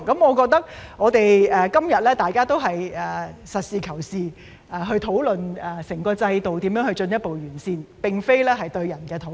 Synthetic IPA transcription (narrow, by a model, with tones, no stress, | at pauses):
kɐ˨˥mɔː˨˧kɔː˧k̚t̪ɐ˥k̚ŋɔː˨˧t̪e˨jɛː˨kɐ˥mjɐ˨t̚lɛː˥t̪aː˨jkaː˥t̪o˥wɦɐ˨jɛː˨sɐ˨t̚siː˨kʰɐ˨˩wsiː˨ | ɛː˨˧ɦɵ˧ɥt̪ʰo˨˥wlɵ˨nɛː˨˩sɪ˨˩ŋkɔː˧t͡sɐ˧jt̪o˨wt̪i˨˥mjœː˧˥ŋhɵ˧ɥt͡ʃɵ˧njɐ˥t̚po˨wjyː˨˩nsiː˧npɪ˨ŋfe˥jlɛː˥ɦɐ˨jt̪ɵ˧ɥjɐ˨˩nkɛː˧t̪ʰo˨˥